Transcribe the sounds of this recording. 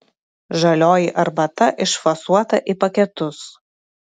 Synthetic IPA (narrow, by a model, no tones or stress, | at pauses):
ʒɐlʲoːjiʔɐɾbɐt̪ɐʔɪʃfɐsuɔt̪ɐʔipɐkʲɛt̪ʊs